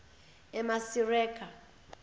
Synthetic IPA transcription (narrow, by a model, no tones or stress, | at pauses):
ɛmasirɛːkʰʼa